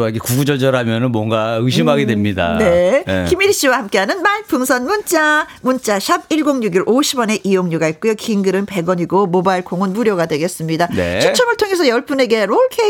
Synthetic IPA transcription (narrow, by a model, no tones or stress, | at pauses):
aiɡekuɡud͡ʑʌɭd͡ʑʌɾɦamjʌnɯnmwʌŋɡaɯɕʰimɦaɡedwe̞mɲida̰ne̞kimiɾiɕ͈iwahamk͈e̞ɦanɯnmaɭp͈ɯŋsʰʌnmunt͡ɕ͈amunt͡ɕ͈aɕʰabiɭɡoŋɲuɡiɾʔoɕʰibʌne̞ʔijoŋɲuɡait̚k͈ujokiŋɡɯɾɯnpe̞ɡʌɲiɡomobaiɭkoŋɯnmuɾjʌɡadwe̞ɡe̞s͈ɯmɲidaneot͡ɕʰʌmɯɭtʰoŋe̞sʰʌjʌɭp͈une̞ɡe̞ɾoɭkʰe